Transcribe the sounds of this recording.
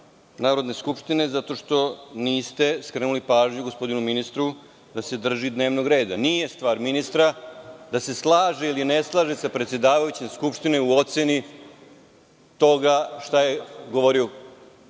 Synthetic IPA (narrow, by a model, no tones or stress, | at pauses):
naːɾo̞d̪ne̞skupʂt̪ine̞zat̪o̞ʂt̪o̞niːst̪e̞skɾenulipaːʒɲuɡo̞spo̞d̪inuminist̪ɾu | d̪ase̞d̪r̩ʒid̪ne̞ːʋno̞ɡɾe̞ːd̪anije̞st̪vʋaːɾminist̪ɾad̪ase̞slˠaːʒeilineslˠaːʒesapɾet̪sjed̪aːʋajut͡ɕemskupʂt̪ineuo̞t̪seni | t̪o̞ɡaʂt̪ajeɡoʋoɾio